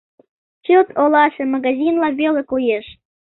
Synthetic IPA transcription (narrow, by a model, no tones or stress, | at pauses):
t͡ɕot̪olɑʃemɑɣɑzʲinlɑβelekujeʃ